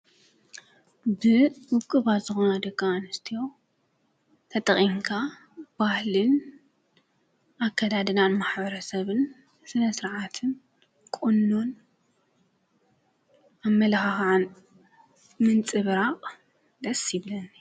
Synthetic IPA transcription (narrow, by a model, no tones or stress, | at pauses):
bɨwʊkʼɨβat̪z̥ɨxo̞nad̪ɐkːaːnɨst̪ʰijo̞ | t̪ʰɐt̪ʼɐχʼiŋkʰa | b̥ahlɨn | ʔakʰːad̪ad̪ɨnanmaħbɐɾɐsɐβɨn | sɨnɐsɨɾʕat̪ʰɨn | kʼunːon | amːɐlaxaxʕan | mɨnt͡sʼɨβɾaqʼ | d̪ɐsiβlɐn